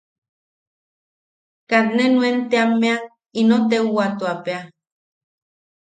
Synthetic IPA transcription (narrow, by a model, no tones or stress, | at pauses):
kat̪nenwent̪eamːea | inot̪euwat̪uapea